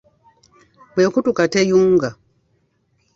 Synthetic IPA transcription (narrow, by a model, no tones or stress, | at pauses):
bwɛkutukatɛjuŋɡa